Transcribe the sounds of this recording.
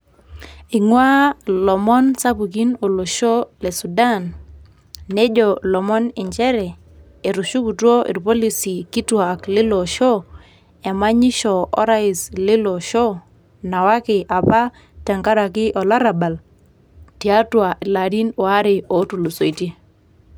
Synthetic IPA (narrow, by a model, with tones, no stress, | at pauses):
ɪ˨ŋwa˦lɔ˨mɔ˦nsa˦pu˨k̬i˦no˨lo˨ʃo˦le˨su˨da˦nː | e˦d͡ʒɔ˨lɔ˨mɔ˦nɪ˨ɲt͡ʃɛ˦ɾɛ˨ | e˨ɾu˨ʃu˦ku˨two˦ʔḭ˨ɾpo˦li˦si˨ki˦twa˨klɪ˦lo˨ʃo˦ | ɛ˨ma˦ɲɪ˦ʃɔ˨ɔ̰˦ɾa˦ɪ˨slɪ˦lo˨ʃo˦ | na˨wa˦kɪ˨ʔa˨pa˦ | ta˨ŋka˦ɾa˨kɪ˦ʔɔ˨la˦ɾa˨ba˨l | ti˨a˦twa˨ʔɪ˨la˨di˦no˨a˦ɾɪ˨o˨˦tu˨lo˨so˨i˨te˦